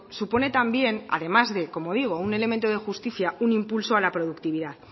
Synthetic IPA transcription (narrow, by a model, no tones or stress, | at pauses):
supo̞ne̞t̪ambje̞na̰ðe̞mazðe̞ko̞mo̞ðiɣ̞o̞une̞le̞ment̪oð̞e̞xust̪iθjaunimpulsoalapɾo̞ðukt̪iβ̞iðað